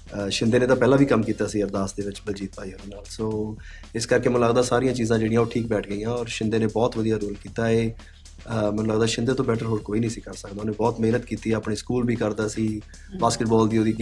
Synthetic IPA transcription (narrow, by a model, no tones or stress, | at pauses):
ʃɪ̃nd̪eːneːt̪ãːpɛːlãːʋiːkəmkiːt̪aːsĩːəɾd̪aːsd̪eːʋɪt͡ʃbəld͡ʒiːt̪̚paːiːod̪eːnaːlsoː | ɪskəɾkeːmɛːnũləɡd̪aːsaːɾijãːt͡ʃiːzãːd͡ʒeːɽijãːoːʈʰiːk̚bɛːʈʰɡəiːãːɔːɾʃɪnd̪eːneːbɔːt̪ʋəd̪ijaːɾuːlkiːt̪aːeː | mɛ̃ːnũləɡd̪aːʃɪ̃nd̪eːt̪õːbɛːʈəɾɦoːɾkoːiːnĩːsiːkəɾsək̚d̪aːoːneːbɔːt̪meːnət̪kiːt̪iːɛːəpɳeːskuːlbʱiːkəɾd̪aːəsĩː | baːskəʈbɔːld̪iːoːd̪iɡ